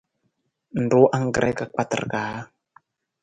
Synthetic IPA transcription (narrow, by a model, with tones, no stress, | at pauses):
n˨do˨˦ʔa˦ŋɡɾʔɛ˦ka˨k͡pa˨ta̰rɡa˨˦